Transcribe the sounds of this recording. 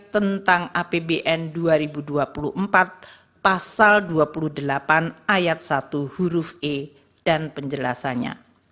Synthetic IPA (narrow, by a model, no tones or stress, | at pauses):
t̪ənt̪aŋʔapebeʔɛnduaɾibuduapulṵhəmpat̪̚ | pasalduapuluhdəlapanajat̪̚sat̪uhuɾufe | d̥anpəɲd͡ʒəlasaɲa̰